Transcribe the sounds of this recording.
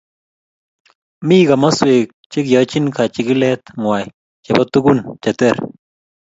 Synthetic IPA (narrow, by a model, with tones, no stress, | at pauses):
mi˦ɡa˨ma˦swe˨k̚t͡ʃɪ˦kjɔ˨˦t͡ʃɪ˦nka˨t͡ʃɪ˨kɪ˦lɛ˦t̪ŋwa˨j | t͡ʃɛ˨ba˦t̪u˦ɡu˦˨nt͡ʃa˨tɛ˦ɾ